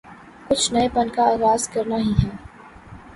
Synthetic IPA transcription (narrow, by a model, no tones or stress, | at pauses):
kʊt͡ʃʰnɐepɐnkaaːɣaːzkɐɾnaɦiɦɛː